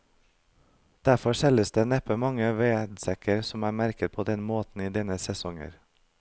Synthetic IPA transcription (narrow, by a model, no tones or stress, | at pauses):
d̪̥æfɔʃɛləsd̪eːnɛpəmɑŋəʋeːd̪sɛkəɾsɔmæːmæɾkət̪̚pʰoːd̪ɛnmoːt̪n̩iːd̪ɛnəsɛsɔŋə̰ɾ